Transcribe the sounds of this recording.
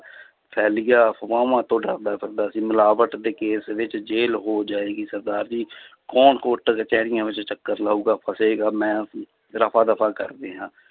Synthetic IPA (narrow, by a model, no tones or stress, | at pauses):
pʰɛːlɪjaːpʋãːʋãːt̪õːɖəɾd̪aːkəɾ̚d̪aːəsĩːməlaːʋəʈd̪eːkeːsʋɪt͡ʃd͡ʒeːlɦoːd͡ʒaːeːɡiːsəɾd̪aːɾd͡ʒiːkɔːnkoːʈt͡ʃɛːɾɪjãːʋɪt͡ʃt͡ʃəkːəɾlaːuːɡaːpʰəseːɡaːmɛ̃ːəsĩː | ɾəpʰaːd̪əpʰaːkə̰ɾd̪eːɦãː